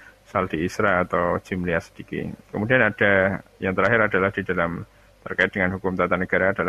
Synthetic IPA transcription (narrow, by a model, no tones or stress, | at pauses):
sald̥iːsɾaːt̪awd͡ʒimliasə̥d̥ikḭkəmudianad̥ajaŋt̪əɾaɦɪɾadalahd̥idalam | t̪ərkaɪt̪̚dəŋanɦukʊmt̪at̪anəɡ̥aɾaːdala